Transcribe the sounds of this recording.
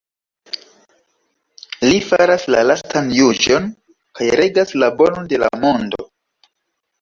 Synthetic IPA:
lifaɾaslalastanjud͡ʒo̞n | kajɾe̞ɡaslabo̞no̞nde̞la̰mo̞ndo

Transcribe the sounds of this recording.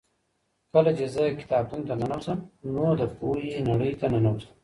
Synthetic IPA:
kəlat͡ʃezəkɪ̥t̪ɑːb̚t̪unt̪ananawsəmnod̪əpojenaɽəjt̪ananawsə̥m

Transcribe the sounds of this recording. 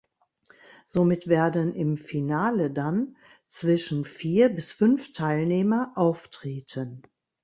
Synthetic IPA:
z̥omɪtv̥eːɐdənʔɪmfinaːlədan | t͡sv̥ɪʃn̩fiːɐbɪsfʏnftʰaɪlneːmɐʔaʊftʁ̥eːtʰən

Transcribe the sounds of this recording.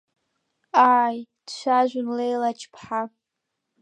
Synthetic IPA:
aːjd̥ʃʷᶣaʒᶣʷʊnlejlat͡ʃʰpʰħa

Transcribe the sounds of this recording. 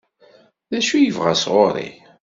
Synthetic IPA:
ðæʃujəvʁæ̰sʁoɾˤḭ

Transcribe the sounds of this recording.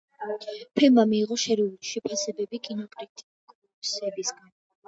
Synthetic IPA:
pʰɛlmamiːʁɔʃɛɾiuliʃɛpʰasɛbɛbikʼinɔkʼɾit̪ʼ | kʼu | sɛbisɡan

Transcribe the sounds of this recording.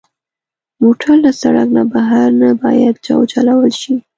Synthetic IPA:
moʈʰəɾlasaɽa̰knabaɦaɾnabɑjad̪̚d͡ʒɑ̰wt͡ʃalawəlʃi

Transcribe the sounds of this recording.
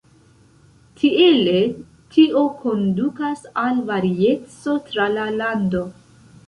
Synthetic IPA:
tʰiele̞ | tʰiʔo̞ko̞ndukasalvaɾie̞t͡so̞tɾalalando̞

